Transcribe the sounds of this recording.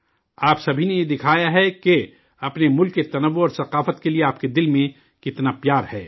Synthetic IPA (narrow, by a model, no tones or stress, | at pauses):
aːpsɐbʱinejed̪ɪkʰaːjaɦɛke | ɐpnemʊlkːet̪ɐnəʋːoɔːɾsɐqaːfət̪kelieaːp̚ked̪ɪlmẽ | kɪt̪napjaːɾhɛː